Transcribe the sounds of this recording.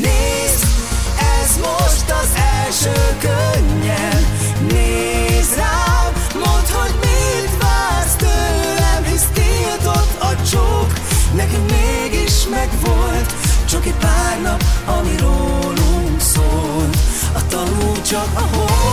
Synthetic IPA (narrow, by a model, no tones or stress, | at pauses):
neː | z | ɛzmoʃt̪ɒzɛlʃøːkøɲːɛn | neːzraːl | mot̪ho̞ɟmind̪vaːrt̪ølɛmɦist̪iːlt̪ot̪ɒt͡ʃoknɛkɛmmeːɡiʃmɛɡʋolt̪t͡ʃokipaːrnɒpɒmiɾoːluŋksoːlɒt̪ɒnut͡ʃɒɦo